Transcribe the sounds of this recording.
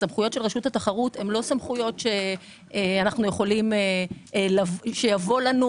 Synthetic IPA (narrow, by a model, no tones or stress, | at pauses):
samχujo̞tʃe̞lʁeʃuthataχaʁute̞mlo̞samχujo̞tʃe̞ | eanaχnujeχo̞limelaʃe̞javo̞lanu